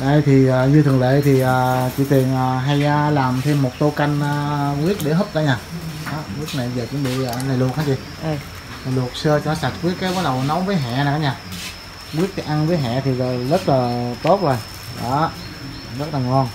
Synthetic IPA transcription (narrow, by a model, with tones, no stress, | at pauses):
ɗə˧˩jt̪ʰi˨˩əː˨˩ɲɨ˧t̪ʰɨ˨˩ŋlḛ˧˨t̪ʰi˨˩ʔəː˨˩t͡ɕḭ˧˨t̪i˨˩ənʔəː˨˩ɦa˧jʔaː˨laː˨˩mt̪ʰe˧mːo˨˩t̚t̪o˧ka˧jŋəː˧wi˦˥ət̚ɗe˧˩˦ɦə˦˥p̚ɗa̰ː˧˦ɲaː˨˩ɗɔ˨˦ki˦˥ət̚na˨˩jvəː˨˩t͡ɕɨ˨˧˦ŋɓḭ˧˨əː˨˩la˨˩jlək̚haː˨˧˦jt͡ɕi˧˩ | la˨˩jlu˨˩ək̚sɨ˧ət͡ɕɔ˧nɔ˨˦sa˨˩t̚kwi˦˥t̚kaː˨˦jɓɔː˨˦ɗə˨˩wnɔ˨˦wŋ͡mvəː˨˦jɦɛ̰ː˧˨na˨˩˨ɲaː˨˩ | kwi˦˥ət̚ka˨˦ʔa˧nvəː˨˦jɦɛ̰˧˨t̪ʰi˨˩zəː˨˩zə˦˥t̚laː˨˩t̪o˦˥t̚zo˨˩j | ɗɔ̰˨˦˨ | zə˦˥t̚laː˨˩ŋɔ˧n